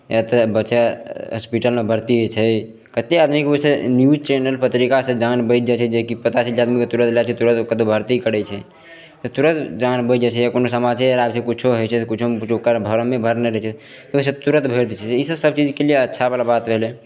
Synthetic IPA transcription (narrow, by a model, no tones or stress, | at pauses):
jat̪əbət͡ʃaɦə̰spiʈəlmẽbʱəɾt̪iɦet͡ʃʰɛ | kət̪ead̪mikeosenjud͡ʒt͡ʃenəlpət̪ɾikasẽd͡ʒanbəɪd͡ʒat͡ʃʰɛd͡ʒekipət̪asʰilaːd̪miket̪uɾə̃t̪lat͡ʃʰɛt̪uɾət̪kət̪obʱəɾt̪ikəɽɛt͡ʃʰɛ | t̪ɔt̪uɾə̃t̪d͡ʒanbəɪt̪̚d͡ʒat͡ʃʰɛjakonosəmad͡ʒd͡ʒeɾabt͡ʃʰekut͡ʃʰoɦojt͡ʃʰɛt̪kut͡ʃʰokut͡ʃʰookəɾbʱəɾəmebʱəɾnɛɾɛt͡ʃʰɛ | t̪ɔos̬et̪uɾət̪bʱeɾt̪it͡ʃʰɛisəbsəb̚t͡ʃid͡ʒkelieətːʃʰabalabat̪bʱele